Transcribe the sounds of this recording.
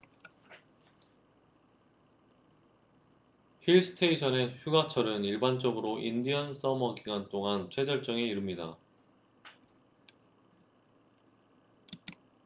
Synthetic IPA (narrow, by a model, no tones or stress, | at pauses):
hiɭsʰɯ̥tʰeiɕʰʌne̞çjuɡat͡ɕʰʌɾɯniɭbant͡ɕ͈ʌɡɯɾoʔindiʌns͈ʌmʌɡiɡwant͈oŋant͡ɕʰwe̞d͡ʑʌɭt͡ɕ͈ʌŋe̞iɾɯmɲida̰